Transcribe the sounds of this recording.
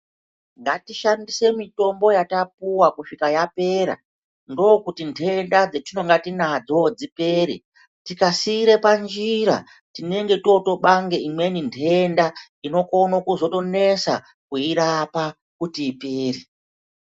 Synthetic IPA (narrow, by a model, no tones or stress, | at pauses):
ŋɡatiʃandise̞mito̞mbo̞jatapuwakuʂikajape̞ɾa̰ | ndo̞ːkutintʰeːndad͡zetino̞ŋɡatinad͡zod͡zipe̞ːɾi | tikasiɾe̞pand͡ʒiɾa̰ | tine̞ŋɡe̞to̞to̞ɓaŋɡe̞imwe̞nintʰe̞nda | ino̞konokuzo̞to̞ne̞sa̰ | kuiɾapa | kutiːpeːri